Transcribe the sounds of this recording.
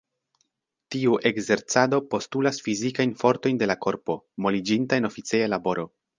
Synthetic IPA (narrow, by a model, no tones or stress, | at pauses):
tiuʔe̞ɡze̞ɾt͡sado̞po̞stulasfizikajnfo̞ɾto̞jnde̞lako̞ɾpo̞mo̞lid͡ʒintaeno̞fit͡sejalabo̞ɾo̞